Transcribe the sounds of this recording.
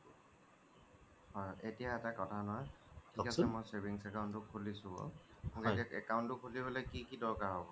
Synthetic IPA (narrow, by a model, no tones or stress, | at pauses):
ɔetijaɛtakɔtʰanɔwa | tʰikasɛmɔjseɹbiŋsɛkawntʊkʰːulisʊ̃ɔ̰mɔeaɛ̰kaʊ̃ntʊkʰulibɔlɔjkikidɔɹkaɦɔbɔ